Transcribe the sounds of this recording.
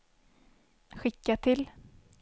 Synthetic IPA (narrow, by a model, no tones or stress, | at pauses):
ɧɪkːat̪ʰɪl